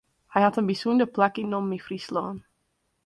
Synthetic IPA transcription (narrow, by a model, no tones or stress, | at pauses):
hɛjɦɑtənbisundəplakinːɔmːifrislɔːn